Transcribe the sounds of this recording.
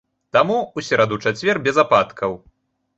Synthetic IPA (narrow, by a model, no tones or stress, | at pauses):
t̪amuusʲɛɾad̪ut͡ʂat͡sʲvʲɛrbʲɛzapat̪kʰɐw